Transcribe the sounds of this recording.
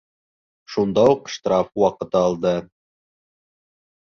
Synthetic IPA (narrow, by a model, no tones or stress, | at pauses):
ʃund̪ɑuqʃt̪ɾɑfwɑqɤ̆t̪ɤɑlˠd̪ɤ